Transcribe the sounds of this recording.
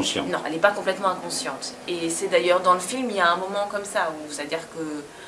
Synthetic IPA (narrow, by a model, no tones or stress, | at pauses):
sjɑ̰̃nɔ̃ʔɛ̰lɛpakɔ̃plɛt̪mɑ̃ɛ̃kɔ̃sjɑ̃t̪esɛd̪ajœʁd̪ɑ̃ləfilmiljaɛ̃mɔmɑ̃kɔmsausad̪iʁkə